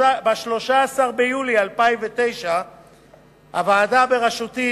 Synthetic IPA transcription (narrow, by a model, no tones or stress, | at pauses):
abaʃlo̞ʃaːsaʁbejulialpaimvet̪e̞jʃa | ha̰vaːdabeʁaʃut̪i